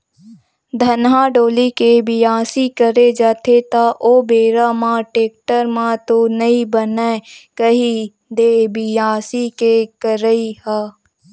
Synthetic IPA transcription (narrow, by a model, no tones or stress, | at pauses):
d̪ʱɐnɦaːɖoːlikebɪjaːsikəɾed͡ʒaːt̪ʰet̪aʔoːbeːɾamãʈeːk̚ʈəɾmãt̪onɐĩbənakəɦi | d̪eːbɪjaːsikekəɾəihaː